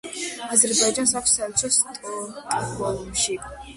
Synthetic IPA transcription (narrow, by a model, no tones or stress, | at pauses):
azɛɾbajd͡ʒansakʰʷsalt͡ʃʰɔst̪ʼɔtʼɔmʃikʼ